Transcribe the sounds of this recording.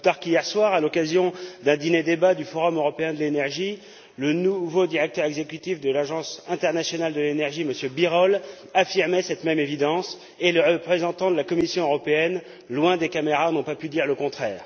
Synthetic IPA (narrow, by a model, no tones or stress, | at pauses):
t̪aʁkijɛʁswaːʁalɔkazjɔ̃d̪ɛ̃d̪ined̪ebad̪yfɔʁɔmøʁɔpeɛ̃d̪əlenɛʁʒi | lənuvod̪iʁɛk̚t̪œʁɛɡzekʲyt̪ifd̪əlaʒɑ̃sɛ̃t̪ɛʁnasjɔnald̪əlenɛʁʒiməsjøbiʁɔl | afiʁmɛsɛt̪mɛmevid̪ɑ̃s | eleʁəpχezɑ̃t̪ɑ̃d̪əlakɔmisjɔ̃øʁɔpeɛn | lwɛ̃d̪ekameʁanɔ̃papyd̪iʁləkɔ̃t̪χɛːʁ